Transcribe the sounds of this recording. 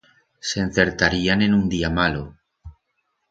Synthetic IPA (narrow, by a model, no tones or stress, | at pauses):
sen̟θe̞ɾt̪aɾiane̞nund̪iamalo